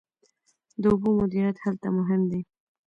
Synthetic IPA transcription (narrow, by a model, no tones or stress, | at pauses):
d̪əubumʊd̪iɾjat̪halt̪amʊɦɪmd̪i